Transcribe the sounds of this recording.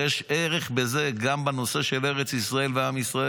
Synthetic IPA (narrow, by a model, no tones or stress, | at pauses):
jɛʃeʁeχbezeɡambanoseʃeleʁet͡sisʁaelveamisʁa